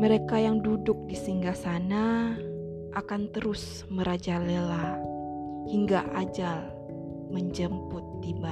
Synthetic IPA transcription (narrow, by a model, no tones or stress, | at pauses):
məɾekajaŋdudʊk̚disiŋɡasana | ʔakant̪əɾʊs | məɾad͡ʒalela | hiŋɡaʔad͡ʒal | məɲd͡ʒəmpʊt̪̚ːiba